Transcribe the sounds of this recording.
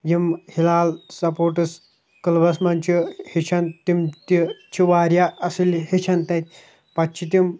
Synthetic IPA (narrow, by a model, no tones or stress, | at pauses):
jimhilalsɐpoɾʈɨs | kəlbɐsmant͡ɕihit͡ʃʰɐnt̪imt̪it͡ɕʰiʋaːɾjaʔɐselɦet͡ʃʰɐnt̪ajt̪ʲ | pɐtt͡ʃʰit̪im